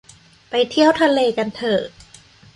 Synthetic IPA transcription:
pa˧jt̪ʰi˥˩əwt̪ʰa˧leː˧ka˧nt̪ʰɤː˨˩

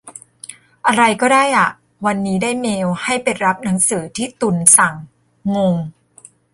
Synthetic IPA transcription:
ʔa˧ɾa˧jkɔː˥˩daː˥˩jʔa˨˩ʔ | wa˧nːiː˦˥daː˥˩jmeː˧wha˥˩jpe˧jɾa˦˥p̚na˩˦ŋsɯː˩˦t̪ʰiː˥˩t̪u˧nsa˨˩ŋː | o˧ŋ

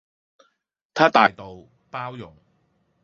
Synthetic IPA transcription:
t̪ʰaː˥t̪aː˨jt̪o˨w | paː˥wjʊ˨˩ŋ

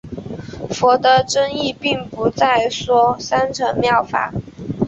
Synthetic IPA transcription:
fɔ˧˥t̪ɤə˧˥ʈ͡ʂɤ˥ŋi˥˧pi˥˩ŋpu˧˥t͡sa˥˩ɪʂwɔ˥sa˥nʈ͡ʂʰɤ˧˥ŋmjɑ˥˩ʊfa̰˨˩˦

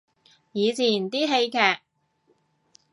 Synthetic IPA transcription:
jiː˨˧t͡sʰiː˨˩nt̪iː˥ɦe˧jkʰɛː˨˩k̚

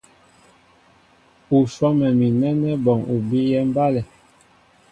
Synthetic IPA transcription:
u˨sɔ˦mɛ˨mi˨nɛ˦nɛ˦bɔ˨ŋu˨bi˦jɛ˦m˦ba˦lɛ˨

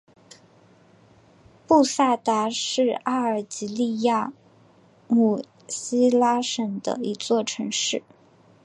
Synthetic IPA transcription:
pu˥˧sa˥˩t̪a˧˥ʂɻ̩˥˧a˥ə˞˨˩t͡ɕi˧˥li˥˧ja˥˩ | mu˨˩ | ɕi˥la˥ʂə˨˩ŋd̪ə̰˧i˧˥t͡swɔ˥˩ʈ͡ʂʰɤ˧˥ŋʂɻ̩˥˩

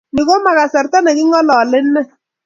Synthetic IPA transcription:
nɪ˨ko˦ma˨ka˨sɛ˨rta˦nɛ˨kɪ˦ŋɔ˦lɔ˨lɪ˦nːɛ˦

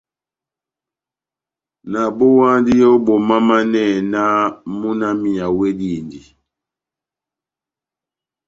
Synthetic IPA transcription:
na˨bo˦wa˦ndi˦jɔ˦bo˨ma˦ma˦nɛ˦˨na˦mu˦na˦mi˨a˨we˦di˦˨ndi˨

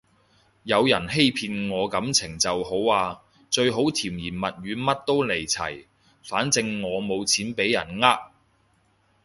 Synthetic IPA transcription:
jɐ˨˧wjɐ˨˩nɦe˥jpʰiː˧nŋɔː˨˧kɐ˨˥mt͡sʰɪ˨˩ŋt͡sɐ˨who˨˥waː˧ | t͡ʃɵ˧ɥɦo˨˥wt̪ʰiː˨˩mjiː˨˩nmɐ˨t̚ɥyː˨˧mɐ˥t̚t̪o˥wle˨˩jt͡sʰɐ̰˨˩j | faː˨˥nt͡sɪ˧ŋːɔː˨˧mo˨˧wt͡sʰiː˨˥npe˨˥jːɐ˨˩nŋaː˥k̚

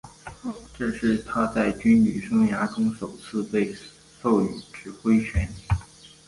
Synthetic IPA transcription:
ʈ͡ʂɤ˥˧ʂɻ̩˥˩t̪ʰa˥t͡sa˥˩ɪt͡ɕy˥nli˨˩ʂʊ˥ŋja˧˥ʈ͡ʂʊ˥ŋʂo˨˩ʊt͡sʰɹ̩˥˧pe˥˧ɪ | so˥˩ʊy˨˩ʈ͡ʂɻ̩˨˥xwe˥ɪt͡ɕʰɥɛ˧˥ni˨˩˦

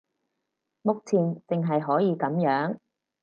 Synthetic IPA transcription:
mʊ˨k̚t͡sʰiː˨˩nt̪ɪ˨ŋɦɐ˨jɦɔː˨˥jiː˨˧kɐ˨˥mjœː˨˥ŋ

